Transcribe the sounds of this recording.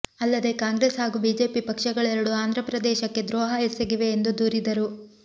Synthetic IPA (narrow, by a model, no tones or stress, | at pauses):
ɐlːɐd̪e̞kaːŋɡɾesɦaːɡubiːd͡ʒe̞ːpipɐkʂɐɡɐɭɛɾɐɽuaːnd̪ʱɾɐpɾɐd̪ɛːʃɐkːe̞d̪ɾɔːɦɐɦeseɡiʋe̞ːnd̪ud̪uːɾid̪ɐɾu